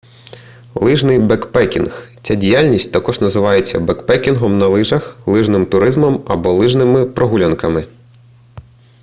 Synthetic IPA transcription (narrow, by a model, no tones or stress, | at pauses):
lˠɪʒnɪjbɛkpɛkʲinxt͡sʲadʲijalʲnʲisʲt̚ʲt̪ɐkɔʒnɐzɪʋɑjet͡sʲːɐ̰bɛkpɛkʲinɦɔmnɐlˠɪʒɐxlˠɪʒnɪmt̪ʊɾɪzmɔmɐbɔlˠɪʒnɪmɪpɾɔɦulʲɐnkɐmɪ